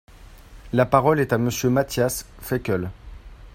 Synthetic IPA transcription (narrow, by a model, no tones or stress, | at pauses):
lapaʁɔlɛt̪aməsjømat̪jasfɛkʲœl